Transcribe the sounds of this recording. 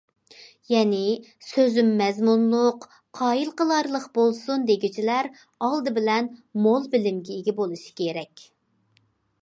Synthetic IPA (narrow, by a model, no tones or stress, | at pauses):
jɛnɪsøzymːɛzmunlˠʊq | qʰɑːjilˠqəlˠɑɾlˠəqbolˠsund̪eɡʲit͡ʃʰilæɾ | ɑlˠd̪ɨbɪlɛnmolˠbɪlɪmɡʲɛiɡʲɛbolˠuʃi̥kʲʰeɾɛkʲ